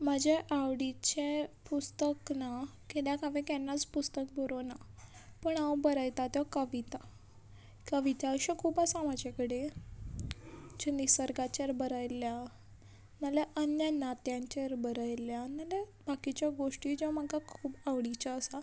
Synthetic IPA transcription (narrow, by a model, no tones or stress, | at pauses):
mad͡ʑʱeʔaʋɽit͡ɕepust̪əknakeljakaʋẽkɛnːat͡spust̪ək̚boɾonapəɳaʋbəɾajt̪at̪jakəʋit̪a | kəʋit̪aəɕãkʰuːbəsãmad͡ʑekəɽe | d͡ʑenisəɾɡat͡ɕeɾbəɾajlja | maleʔənjanat̪jãɲt͡ɕeɾbəɾajljanalebakit͡ɕjaɡoʂʈiːd͡ʑeʋamaɡakʰuːbaʋɽit͡ɕaːsa